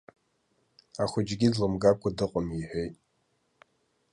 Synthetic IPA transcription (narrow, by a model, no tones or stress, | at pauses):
aχʷʊd͡ʒɡʲidlɨmɡakʷʰadɨqʼʊmiħʷᶣejtʼ